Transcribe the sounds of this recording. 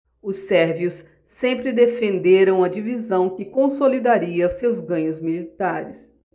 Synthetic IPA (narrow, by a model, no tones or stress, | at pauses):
ʊsɛɾviʊsː | ẽmpɾɪd̪efẽnd̪eɾɐ̃w̃ɐd͡ʒivizɐ̃w̃kɪkõsolid̪aɾiɐʊsewzɡɐ̃ɲʊzmilit̪aɾɪs